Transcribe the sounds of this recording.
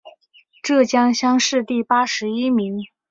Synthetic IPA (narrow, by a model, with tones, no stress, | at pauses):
ʈ͡ʂɤ˥˩t͡ɕjɑ˥ŋɕjɑ˥ŋʂɻ̩˥˧t̪i˥˩pa˥ʂɻ̩˧˥i˥mi˧˥ŋ